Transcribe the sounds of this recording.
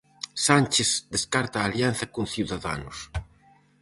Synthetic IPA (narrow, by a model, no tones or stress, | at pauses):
sanʲt͡ʃesd̪eskaɾt̪aːljan̟θɐkonθiwðaða̰nʊs